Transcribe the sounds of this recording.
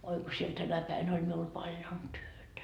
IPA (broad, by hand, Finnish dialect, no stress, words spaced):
oi ko siel tænæ pæin olʲ miul pɑljon tyøtæ